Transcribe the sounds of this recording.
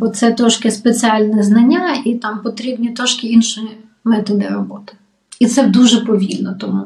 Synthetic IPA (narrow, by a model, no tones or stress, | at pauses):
bɔt̪sɛt̪ɾɔʃkɪspet͡sʲiɑlʲnɛznɐnʲːait̪ɑmpɔt̪ɾʲibnʲit̪ɾɔʃkɪinʃɪ | mɛt̪ɔd̪ɪ̰rɔbɔt̪ɪ̥ | it̪sɛd̪uʒɛpɔʋʲilʲnɔt̪ɔmu